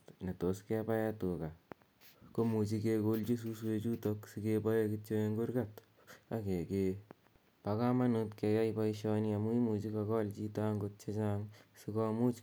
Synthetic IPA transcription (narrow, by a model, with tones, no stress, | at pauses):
ne˨to˨skɛ˧pa˦ja˦tu˨ka˨ | ko˦mut͡ʃi˧ke˧kolt͡ʃi˦s̬u˦swe˧t͡ʃu˦toksikepɔ˦jekɪtt͡ʃo˧eŋɡu˦ɾkat | ake˨ke | paka˦ma˦nu˧tke˧ja˦jpa˦iʃɔ˧niamu˦imut͡ʃika˧kɔ˦lt͡ʃitaːŋɡot̚t͡ʃet͡ʃaŋsikɔ˧mu˦t͡ʃ